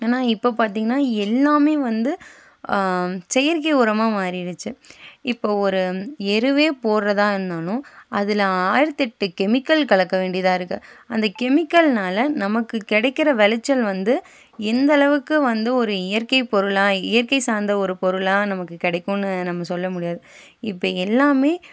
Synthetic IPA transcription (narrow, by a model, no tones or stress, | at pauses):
eːnːaːɪpːoːpaːɾt̪iːŋɡɐnːaːɛlːaːmeːʋɐnd̪ɯ | sɛjɐɾkɐɪʊɾɐmaːmaːɾiɪɽɯt͡ʃːɯɪpːoːɔɾɯɛɾɯʋeːpoːɾɾɐðãːɪɾɯnd̪aːnʊ̃ɐðɪlaːjɪɾɐt̪ːɪʈːɯkɛmɪkːɐlkɐɭɐkːɐʋeːɳɖɪjɐðãːɪɾɯkːɯɐnd̪ɐkɛmɪkːɐlnaːlɐnɐmɐkːɯkɪɽɐɪkːɪɾɐʋɛlɐt͡ʃːɐlʋɐnd̪ɯ | ɛnd̪ɐlɐʋɯkːɯʋɐnd̪ɯɔɾɯɪjɐɾkɐɪpɔɾɯlaːɪjɐɾkɐɪsaːɾnd̪ɐɔɾɯpɔɾɯɭãːnɐmɐkːɯkɪɽɐɪkːʊ̃nːɯnɐmːɐsɔlːɐmʊɽɪjaːðɯɪpːoːɛlːaːmeː